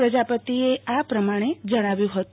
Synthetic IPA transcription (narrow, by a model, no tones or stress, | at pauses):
ɾəd͡ʒapət̪ieʔapɾəmaɽ̃ed͡ʒəɽ̃aʋjũɦət̪